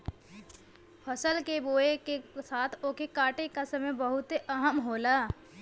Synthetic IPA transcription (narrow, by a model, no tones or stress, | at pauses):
fʰəsəlkeboːekesaːt̪ʰoːkekaːʈekasəməjbəɦʊt̪eəɦəmɦoːlaː